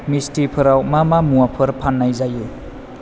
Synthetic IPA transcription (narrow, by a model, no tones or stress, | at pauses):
mistipʰɯɾawmamamuwapʰɯɾpʰanːajzaju